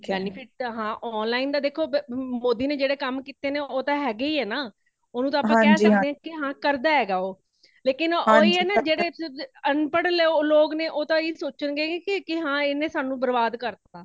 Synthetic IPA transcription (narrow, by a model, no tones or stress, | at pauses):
ɛːnɪpʰɪʈ̚ɦãːʔɔːnlaːind̪aːd̪eːkʰoːbmoːd̪iːneːd͡ʒeːɽeːkəmkiːt̪eːneːoːt̪ãːɦɛːɡeiːɛːnaː | oːnũːt̪ãːpːãːkɛːsd͡ʒəkːdeːɛ̃ːkɪɦãːkəɾd̪aːɦɛːɡaːoː | leːkɪnoːiːɛːnad͡ʒeːɽeːənpəɽleoloːkneːʔoːt̪ãːeːsoːt͡ʃənɡeːkɪkɪɦãːenẽːsaːnũːbəɾbaːd̪kəɾd̪ãː